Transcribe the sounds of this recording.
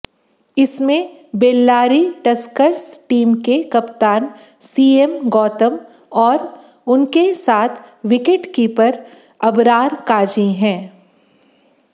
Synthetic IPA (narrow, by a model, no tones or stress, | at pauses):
ɪsmẽ | beːlːaːɾiʈɐskəɾsʈiːmkekɐpt̪aːn | siːemɡɔːt̪əm | ɔːɾ | ʊnkesaːt̪ʰʋɪkeʈkipɐɾ | ɐbɾaːɾkaːd͡ʒĩɦɛ̃ː